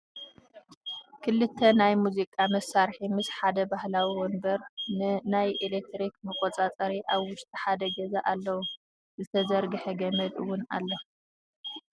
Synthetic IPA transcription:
kʰɨlːɨt̪ʰːɐnajmuzikʼamɐsaɾħimɨsħad̪ɐbahlawiwɔnbɐɾnɨnajʔelek̚t̪ɾikmɨkʼot͡sʼat͡sʼɐɾiʔaβwʊʃt̪ʼiħad̪ɐɡɐzaʔalːɐwu | zɨt̪ʰɐzɐɾɡɨħɐɡɐmɐd̪ɨwːʊna̰lːo

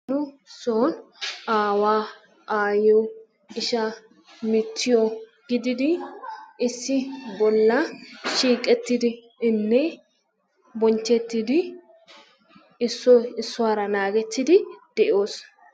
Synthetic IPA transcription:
nʊ | soːnʔaːwaː | aːjɔ | ɪʃa | mɪt̪ʰːɪjɔɡ̥ɪd̪ɪd̪ɪʔɪsːɪbɔlːɐʃiːkʼːɛt̪ːɪd̪ɪ | ɪnːɛ | bɔnt͡ʃːɛt̪ːɪd̪ɪ | ɪsːɔɪsːʊwaːɾɐnaːɡɛt̪ːɪd̪ɪd̪̥ɛʔo̞ːs

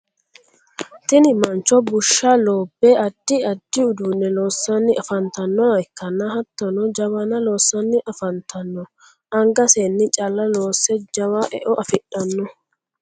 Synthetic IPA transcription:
t̪ɪnɪmɐnt͡ʃːɔbʊʃːaːloːbːeːɐd̪ːɪɐd̪̥ːɪʊd̪uːnːɛloːsːɐnːɪʔɐfɐnt̪ɐnːɔwɐɪkːɐnːɐhɐt̪ːɐnɔd͡ʒɐwɐnɐlo̞ːsːɐnːɪʔɐfɐnt̪ʰɐnːɔ | ʔɐŋɡɐseːnːɪt͡ʃʼɐlːɐlo̞ːsːɛd͡ʒɐwaːʔɛ̰ʔɔʔɐfɪᶑɐnːɔ

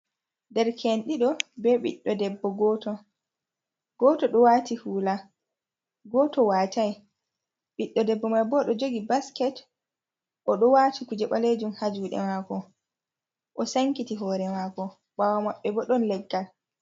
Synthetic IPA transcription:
dɛɾkʰenɗiɗɔbɛɓḭɗːɔdɛbːɔɡɔːtɔ | ɡɔːtɔɗɔwatihuːla | ɡɔːtɔwaːtaj | ɓiɗːɔdɛbːɔmajbɔɗɔd͡ʒoɡibaskɛt | ʔɔɗɔwatikud͡ʒɛɓaled͡ʒumhad͡ʒuɗɛ̰maːkɔ | ʔɔsaŋkitiɦɔːɾɛmakɔ | bawamaɓːɛbɔɗɔnlɛɡːal

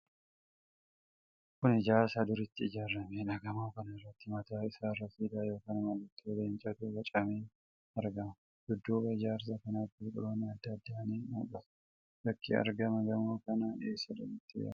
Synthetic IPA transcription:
kʊnɪd͡ʒaːsɐd̪ʊɾɪt̪ːɪɪd͡ʒaːrɐmeᶑɐɡɐmaːkɐnɐɪrːɐt̪ːɪmɐt̪aːɪsaːrɐsiːd̪aːjo̞ːkɐːnmɐlːɐt̪ːɪɔd̪ent͡ʃʼɐd̪uɡɐt͡ʃʼɐmeːn | ɐɾɡɐmɐ | d̪̥ʊd̪ːuːbɐɪd͡ʒaːɾsɐkɐnaːt̪ːɪkʼɔ̰ɾoːnɪɐd̪ːɐd̪ːaɐneːnṵːkʼɐs | bɐkʰːɪ̰ɐ̰ɾɡɐmɐɡɐmaːkɐnaʔeːsːɐd̪ɐ̰mɪt̪ːɪjɐ̰

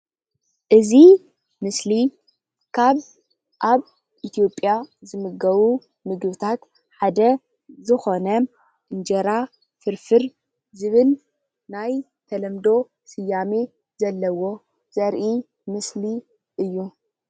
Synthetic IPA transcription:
ʔɨzi | mɨsli | kʰaβ | ʔaβ | ʔit̪ʰijo̞pʼjazɨmɨɡɐβu | mɨɡβɨt̪ʰat̪ | ħad̪ɐ | zɨxo̞nɐ | ʔɨnd͡ʒɐɾa | fɨɾfɨɾ | zɨβɨl | naj | t̪ʰɐlɐmd̪o̞ | sɨjːame | zɐlːɐwo̞ | z̥ɐɾʔi | mɨsli | ʔɨjːu

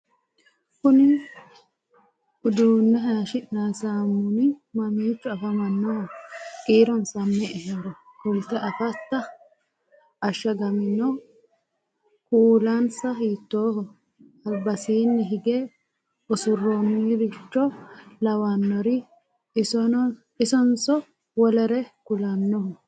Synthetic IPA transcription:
kʊnɪ | ʊd̪uːnːɛɦɐʃɪnasaːmːʊnɪmɐmiːt͡ʃːʊɐfɐmɐnːɔɔkʼiːɾɔnsɐmːɛʔɛhɛɾɔkʊlt̪ɐʔɐfɐt̪ːɐ | ʔɐʃːɐɡɐmɪnɔ | kuːlansɐhiːt̪ːoːhɔ | ɐbɐsiːnːɪɦɪɡeː | ʊsʊrːoːmːiɾɪt͡ʃːɔlɐwanːɔɾɪ | sɔn | ɪsɔnsɔ | wɔlɐɾɛkʊlɐnːɔɔ

